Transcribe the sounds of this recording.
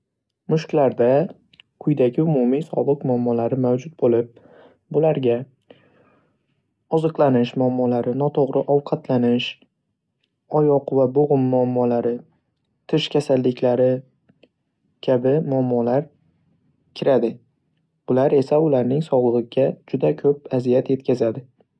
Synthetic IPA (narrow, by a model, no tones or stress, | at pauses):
mʊʃkʲlaɾd̪a | kʰʊjd̪aɡʲɪʊmʊmisɒ̰bɨqmʊamːɒlaɾɪmawd͡ʒʊt̪̚bolɪp̚ | bʊlaɾɡʲa | ɒzɨqlˠanɪʃmʊamːɒlaɾɪnɒt̪ʰoʁɾʔɪʔɒwqʰɑt̪ʰlanɪʃ | ɒjɒqvaboʁʊmːʊamːɒlaɾɪ | t̪ʰɪʃkʲʰasalːɪkʲlaɾɪ | kʲʰabɪmʊamːɒlaɾ | kʲʰɪɾad̪ɪ | bʊlaɾe̞saʊlaɾnɪŋsɒwlˠɨʁɨɡʲad͡ʒʊd̪akʰɵp̚azijat̪je̞t̪kʲazad̪ɪ